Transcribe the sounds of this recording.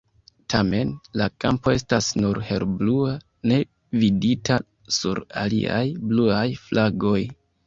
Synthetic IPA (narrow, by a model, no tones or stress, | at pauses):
tʰame̞nlakampo̞e̞stasnuɾhe̞ɾblua | ne̞ | viditʰa | sṵɾa̰lḭa̰jbluajflʔaɡo̞j